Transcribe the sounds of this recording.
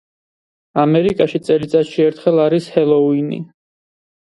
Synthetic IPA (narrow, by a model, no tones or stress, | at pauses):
amɛɾikʼaʃit̪sʼɛlit̪sʼat̪ʃiɛɾt̪ʰχɛlˠaɾishɛlˠɔinḭ